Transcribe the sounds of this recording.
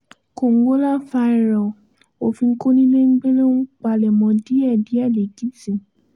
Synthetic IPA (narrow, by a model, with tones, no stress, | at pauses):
ko˨ŋ̩˦ɡ͡bo˦la˦fa˧i˨ɾɔ˨ | o˨fĩ˧ŋ̩˦ko˦nĩ˦le˦ŋ̩˦ɡ͡be˦lo˦nu˦k͡pa˧lɛ˨mɔ̃˨˧di˨˦ɛ˦˨di˨˦ɛ˦˨le˨ɡi˨˦sĩ˨